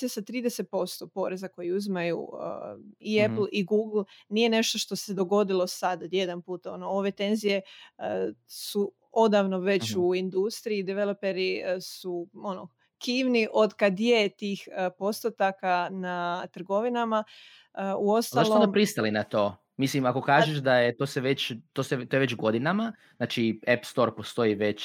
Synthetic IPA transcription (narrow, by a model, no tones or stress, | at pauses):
iesat̪ɾiːd̪eset̪̚po̞st̪o̞po̞ɾe̞zako̞jiuzimajṵ | iepl̩ˠiɡuːɡl̩ˠnije̞ne̞ʃt̪o̞ʃt̪o̞se̞d̪o̞ɡo̞d̪ilˠo̞sad̪ad̪je̞d̪anpuːt̪oonoo̞ʋe̞t̪e̞nzije̞ | su | o̞d̪aʋno̞ʋe̞t͡ɕuind̪ust̪ɾiid̪iʋelope̞ɾisuo̞no | kiːʋniʔo̞d̪kad̪jet̪iːxpo̞st̪ot̪akanat̪r̩ɡo̞ʋinama | uo̞st̪aaʃt̪oampɾist̪alinat̪o̞ː | mislimako̞kaːʒeʃd̪ajet̪oːseʋe̞t͡ɕt̪oset̪ojeʋet͡ɕɡo̞d̪inamaznaːt͡ʃiepst̪o̞ɾpo̞st̪o̞iʋe̞t͡ɕ